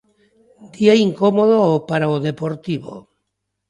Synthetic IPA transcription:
d̪iaiŋkomoðoopaɾaoðepoɾt̪iβo̰

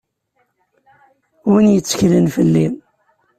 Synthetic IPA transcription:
winjət͡sːə̥çlənfəlːim

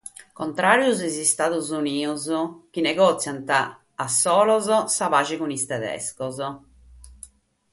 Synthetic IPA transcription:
kɔnt̪ɾaːɾjuzizist̪aːðuzuniːuzk̟inɛɡɔːt̪sːjant̪aː | sːɔːlɔzɔsavaːt͡ʃikunist̪ɛðɛ̰skɔz

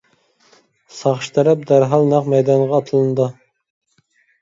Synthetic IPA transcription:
sɑχʃt̪ʰɛɾɛp̚d̪æɾɦɑlˠnɑqmɛjd̪ɑnʁɑːt̪ʰɨlˠɨnd̪ɨ

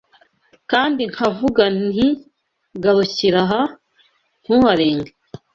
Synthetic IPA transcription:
kaːndiŋ̥havuɡani | ɡaɾuciɾaɦa | n̥huhaɾeːŋɡe

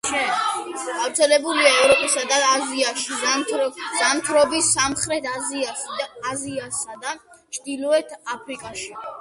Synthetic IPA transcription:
ʃɛɡ̥aɾt̪sʰɛlɛbuliaɛvɾɔpʼisad̪aːziaʃi | zant̪ʰɾɔbisːamχɾɛt̪ʰaziasid̪aːziasːad̪a | t͡ʃʰd̪ilˠɔɛt̪ʰapʰɾikʼaʃi

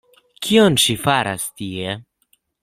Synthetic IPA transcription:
kʰionʃifaɾa̰st̪ie

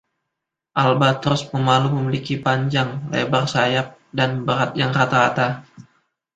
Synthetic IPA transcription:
ʔalbat̪əɾʊsməmaluməmilikipaɲd͡ʒaŋlḛbarsajap̚danbəɾat̪̚jaŋrat̪aɾat̪a

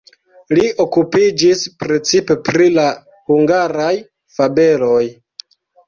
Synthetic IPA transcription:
lio̞kupid͡ʒispɾe̞t͡sipe̞pɾila | huŋɡaɾaj | fabe̞lo̞j

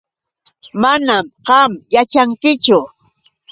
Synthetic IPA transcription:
manamɢɑmjat͡ʃaŋkɪt͡ʃʊ

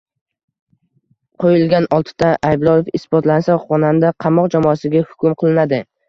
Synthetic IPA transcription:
qʰojɪlɡʲanɒlˠt̪ʰɪ̥d̪aʔajblˠɒjefɪsbɒt̪lansaχɒnand̪aqʰɑmɒqd͡ʒamɒasɪɡʲahʊ̥kʲʊmqʰɨlˠɪnad̪ɪ

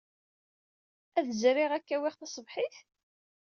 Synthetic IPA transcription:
æðzɾɪʁækːæwiʁθɑsˤəvħiθ

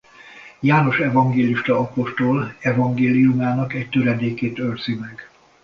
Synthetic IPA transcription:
jaːno̞ʃɛvɒŋɡeːliʃt̪ɒɒpo̞ʃt̪olɛvɒŋɡeːlijumaːnɒkɛct̪øɾɛd̪eːkeːt̪ørz̥imɛɡ

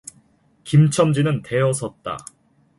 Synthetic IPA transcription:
kimt͡ɕʰʌmd͡ʑinɯnte̞ʌsʰʌt̚t͈a̰

